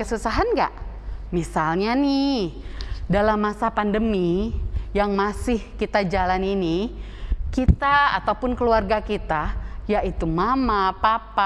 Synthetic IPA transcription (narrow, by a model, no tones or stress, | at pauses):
kəsusaɦanɡa̰ʔ | misalɲanɪ | dalamːasapandəmijaŋmasɪhkit̪ad͡ʒalanini | kit̪aa̰t̪awpʊnkəluarɡakit̪ajaʔit̪umamapapa